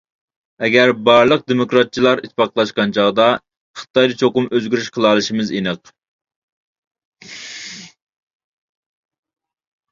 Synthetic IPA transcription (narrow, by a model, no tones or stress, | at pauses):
ɛɡʲɛɾbɑɾlˠəq̚d̪emokɾɑt̪̚t͡ʃʰilˠɑɾit̪̚ʰːpʰɑqʰlˠɑʃqɑnt͡ʃʰɑʁd̪ɑ | χə̥t̪ɑjd̪ɨt͡ʃʰoqʊmøzɡʲyɾyʃqʰəlˠɑːlˠɨʃimɨzinɨq